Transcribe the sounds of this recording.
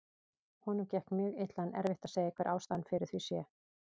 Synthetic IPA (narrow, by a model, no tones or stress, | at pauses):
hɔnʏmcɛhk̪mjʏːɣɪt̪lanɛ̰ɾvɪht̪aðseːjaihkvɛɾʔa̰ːwst̪anfɪɾɪɾ̥θvisjɛ